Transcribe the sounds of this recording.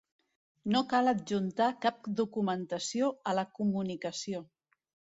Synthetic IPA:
nokaləd͡ʒunt̪akap̚d̪ukumənt̪əsioələkumunikəsio

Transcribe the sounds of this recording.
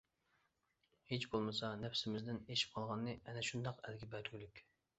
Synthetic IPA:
het͡ʃbolˠmɨsɑnɛpsɪmɪzd̪ɪneʃi̥p̚qʰɑlˠʁɑnːɨɛnɛʃund̪ɑqæ̰lɡʲɛbɛɾɡʲylykʲ

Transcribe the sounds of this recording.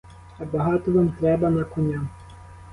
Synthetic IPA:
ɐbɐɦɑt̪ɔʋɑmt̪ɾɛbɐnɐkʊnʲa

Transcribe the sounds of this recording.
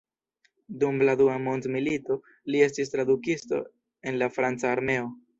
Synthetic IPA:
dumladuamo̞ntmilito̞ | lie̞stis̬tɾadukisto̞̰ | e̞nlafɾant͡saːɾme̞o

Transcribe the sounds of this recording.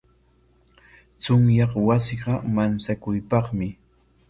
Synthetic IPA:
t͡sʊmjɑqwasɪɢɑmant͡sakʊjpɑχmɪ

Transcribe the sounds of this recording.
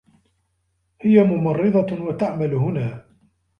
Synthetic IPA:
hɪjamʊmɑrˤːɨd̪ˤɑwat̪aʕmalɦʊnaː

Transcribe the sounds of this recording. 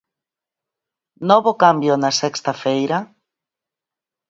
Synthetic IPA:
nɔβokambjonɐsɛkst̪ɐfejɾɐ

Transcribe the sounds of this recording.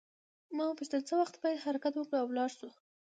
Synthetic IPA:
mɑpət͡ʃd̪əlt͡səwaxt̪bɑjad̪haɾakat̪wəkɽəawlɑɽsu

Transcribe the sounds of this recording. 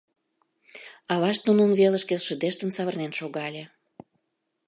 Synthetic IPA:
ɑβɑʃt̪nununβelə̆ʃkeʃəd̪eʃt̪ənsɑβərnenʃoɣɑlʲe

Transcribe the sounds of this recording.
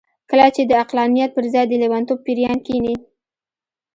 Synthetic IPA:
kəlat͡ʃed̪əaqlɑnijat̪̚pəɾzɑjd̪əlewant̪ob̚piɾjɑnkini

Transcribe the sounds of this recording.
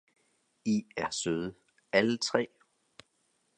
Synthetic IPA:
iæɐsøðˠə | ælət͡sʰʁɛ̰ː

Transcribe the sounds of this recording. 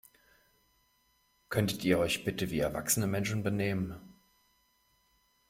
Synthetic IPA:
kʰœntətʰiːɐɔʏçb̥ɪtəviːɛɐva̰ksənəmɛnʃn̩bəneːmən

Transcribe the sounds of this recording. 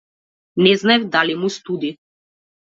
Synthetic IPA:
nɛznaɛvd̪alimust̪ud̪i

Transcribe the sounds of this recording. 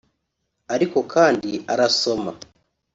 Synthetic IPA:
aɾiko̞kʰaːndiaɾaso̞ma

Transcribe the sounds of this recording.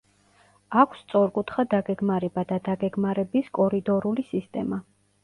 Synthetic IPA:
akʷʰst̪sʼɔɾkʼut̪ʰχad̪aɡɛɡmaɾɛbad̪ad̪aɡɛɡmaɾɛbiskʼɔɾid̪ɔɾulisist̪ʼɛma

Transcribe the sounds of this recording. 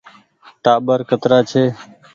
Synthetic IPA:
ʈaːɓəɾkət̪ɾaːt͡ʃʰeː

